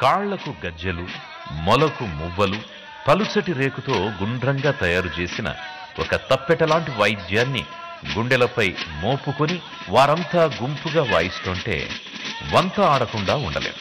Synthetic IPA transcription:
kaːɭːɐkuɡɐd͡ʒjɐlu | mɔlɐkumuʋːɐlu | pɐlut͡ʃɐʈiɾe̞ːkut̪o̞ːɡuɳɖɾɐŋɡaːt̪ɐjaːɾut͡ʃe̞ːsinɐ̰ | ɔkɐt̪ɐpːɛʈɐlaːɳʈiʋɐjd̪jaːnːḭ | ɡuɳɖɛlɐpɐjmoːpukoni | ʋaːɾɐnt̪aːɡumpuɡaːʋaːjist̪oːɳʈe̞̰ːʋɐnt̪ɐaːɽɐkuɳɖaːuɳɖɐ̰lḛːd̪u

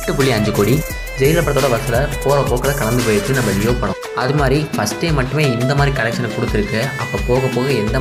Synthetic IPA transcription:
ʈːɯpʊɭːiɐɲd͡ʒɯkːoːɽi | d͡ʒɛjɪlɐpːɐɽɐt̪ːoːɽɐʋɐsɐlɐpoːɣɐpoːkːɐlɐkɐɭɐnd̪ɯpoːjɪɾt͡ʃːɯnɐmːʋɐɭɪjoːpɐɽʊ̰̃ | ɐðɯmaːd̪ɾifɐsʈeːmɐʈːɯmeːɪnd̪ɐmaːd̪ɾikɐɾɛk̚t͡ʃɐnɐkɔɽɯt̪ːɪɾɯkːɯɐpːoːpoːɣɐpːoːɣɐɛnd̪ɐ

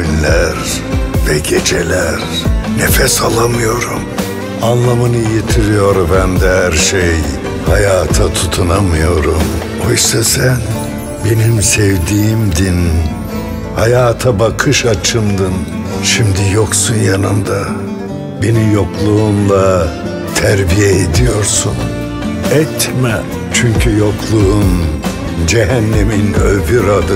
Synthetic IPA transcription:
ynlʲæɾ | vɛɟet͡ʃʰelʲæɾnefɛsalˠamɯjo̞ɾum | anlˠamɯnɯjet̪ʰiɾijo̞ɾbænd̪ɛhæɾʃej | hajaːt̪ʰat̪ʰut̪ʰunamɯjo̞ɾum | ojsasæn | be̞nimsɛvd̪iːmd̪in | hajaːt̪ʰabakʰɯʃat͡ʃʰɯmd̪ɯn | ʃimd̪ijoksunjanɯ̰nd̪a | benimjo̞klˠuumlˠa | t̪ʰæɾbijɛed̪ijo̞ɾsun | ɛt̪ʰmɛ | t͡ʃʰyɲcʰyjo̞klˠuun | d͡ʒeɦænːeminøvyɾad̪ɯ

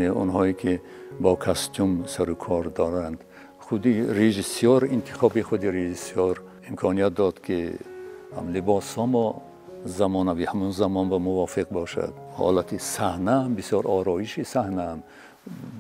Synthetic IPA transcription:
eṵnɦɔikʰi | bɔkʰast̪umsaɾukʰɔɾd̪ɔɾand̪ | χud̪iɾeʒisjɔɾint̪ʰi̥χɔbiχud̪iɾeʒisjɔɾ | imkʰɔnijat̪̚d̪ɔd̪kʰi | mlibɔsɔmɔ | zamɔnavihamunzamɔnbamuvɔfiqbɔʃa̰d̪hɔ̰lat̪ʰisahnambisjɔɾɔɾɔiʃisahnam

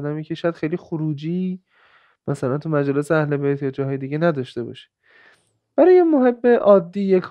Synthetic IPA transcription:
d̪æmiːcʲʰeʃɔjæd̪xejlixoɾuːd͡ʒiː | mæsælænt̪ʰumæd͡ʒɒːleseæhle̞bejt̪ʰjɒːd͡ʒɒːɦɒːjed̪iɡɟe̞næd̪ɒʃt̪e̞bɒ̰ːʃi̥ | b̥æɾɒːjemoɦe̞bːeʔɒːd̪ːiːjekʰ

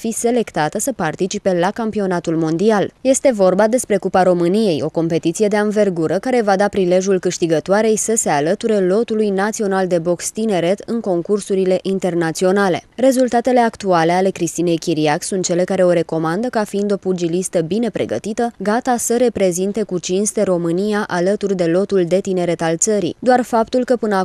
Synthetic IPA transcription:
fise̞le̞kt̪at̪əsəpart̪it͡ʃipe̞lakampio̞nat̪ulmo̞nd̪ialje̞st̪e̞vo̞rbad̪e̞spɾe̞kupaɾo̞mɨnije̞jo̞ko̞mpe̞t̪it̪sije̞d̪e̞anve̞rɡuɾəkaɾe̞vad̪apɾile̞ʒjulkɨʃt̪iɡət̪oaɾe̞jsəse̞alət̪uɾe̞lo̞t̪ulujnat̪sio̞nald̪e̞bo̞kst̪ine̞ɾe̞t̪ɨŋko̞ŋkursuɾile̞ʔint̪e̞rnat̪sio̞nale̞̰re̞zult̪at̪e̞le̞akt̪uale̞ale̞kɾist̪ine̞jkʲiɾiaksunt̪̚t͡ʃe̞le̞kaɾe̞o̞ɾe̞ko̞mand̪əkafiind̪o̞pud͡ʒilist̪əbine̞pɾe̞̰ɡə̰t̪it̪əɡat̪asəɾe̞pɾe̞zint̪e̞kut͡ʃinst̪e̞ɾo̞mɨnijaʔalət̪urd̪e̞lo̞t̪uld̪e̞t̪ine̞ɾe̞t̪alt̪səɾḭd̪oarfapt̪ulkəpɨnə

